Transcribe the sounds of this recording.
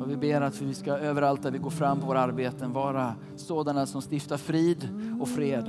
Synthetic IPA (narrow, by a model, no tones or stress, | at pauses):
ɔvɪbeːɾat̪vɪskaøːvəɾalt̪̚næɾvɪɡoːɾfɾamːpʰɔvoːɾaɾbeːt̪ənvɑːɾa | soːd̪anasɔmst̪ɪft̪aɾfɾiːd̪ɔkfɾeːd̪